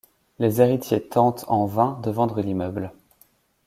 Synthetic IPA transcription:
lezeʁit̪jet̪ɑ̃t̪ɑ̃vɛ̃d̪əvɑ̃d̪ʁəlimœbl

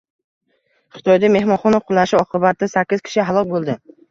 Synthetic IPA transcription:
χɨ̥t̪ʰɒjd̪ame̞hmɒχɒnaqʰʊlˠaʃɪɒqʰɨbat̪ːasakʲːɪz̥kʲʰɪ̥ʃɪɦalˠɒk̚ʲbolˠd̪ɪ

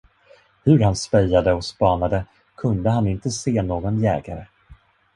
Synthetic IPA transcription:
hɵɾhanspɛjːad̪əɔspɑːnad̪ə | kʰɵnd̪əɦanɪnt̪əseːnoːɡɔnjɛ̰ːɡaɾə

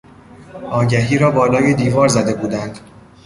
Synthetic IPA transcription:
ɒːɟæɦiːɾɒːbɒːlɒːjed̪iːvɒːɾzæd̪e̞buːd̪ænd̪

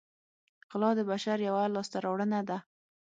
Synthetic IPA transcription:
qɪlɑd̪əbaʃaɾjawalɑst̪aɾɑwɽənad̪a

